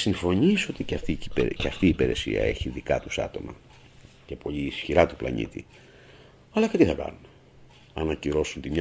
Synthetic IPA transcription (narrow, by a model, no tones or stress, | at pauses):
siɱfo̞ɲiso̞t̪iceɐft̪icipeceɐft̪iːpe̞ɾe̞sḭɐ̰e̞̰çiðikɐt̪usɐ̰t̪o̞mɐ̰ | ce̞po̞ʎiːsçiɾɐt̪uplɐ̰ɲḭt̪ḭ | ɐlɐce̞t̪iθɐkɐ̰nun | ɐnɐciɾo̞sunt̪imɲɐ